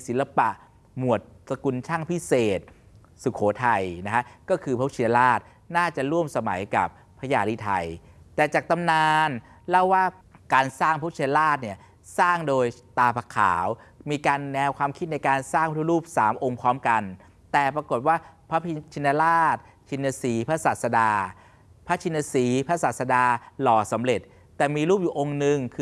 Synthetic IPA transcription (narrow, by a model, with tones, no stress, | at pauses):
si˨˩˦nla˧pa˨˩ʔ | mu˨˩ət̪̚sa˧ku˧nt͡ɕʰa˥˩ŋpʰi˦˥seː˨˩t̪̚ | su˨˩kʰoː˩˦t̪ʰa˧jna˦˥kʰa˦˥kɔː˥˩kʰɯː˧pʰa˦˥i˧nda˧laː˥˩t̪̚ | naː˥˩t͡ɕa˨˩ɾu˥˩əmsa˧ma̰˩˦jka̰˨˩p̚ʰːa˧jaː˧liː˧˩t̪ʰa˧jt̪ɛː˨˩t͡ɕaː˨˩k̚t̪a˧mnaː˧n | lɛ˦˥˩wːaː˥˩ | kaː˧nsaː˥˩ŋpʰa˦˥t͡ɕʰi˧nda˧laː˥˩t̪̚ni˥˩ɐ | saː˥˩ŋdoː˧jt̪aː˧pʰa˧kʰa̰ː˩˦wmiː˧kaː˧nːɛː˧wkʰwaː˧mkʰi˦˥t̪̚na˧jkaː˧nsaː˥˩ŋpʰt̪ʰu˧˥ɾuː˥˩p̚sa̰ː˩˦mʔo˧ŋpʰɾɔː˦˥mka˧n | t̪ɛː˨˩pɾa˧ko˨˩t̪̚waː˥˩pʰa˦˥pʰi˧t͡ɕʰi˧ndaː˧laː˥˩t̪̚ | t͡ɕʰi˧nːaː˧siː˨˩˦pʰa˦˥saː˨˩t̪̚sa˧daː˧ | pʰa˦˥t͡ɕʰi˧na˧siː˨˩˦pʰa˦˥saː˨˩t̪̚sa˧daː˧lɔː˨˩sa˩˦mɾe˨˩t̪̚ːɛː˨˩miː˧ɾuː˥˩p̚juː˨˩ʔo˧ŋnɯ˧ŋkʰɯ˧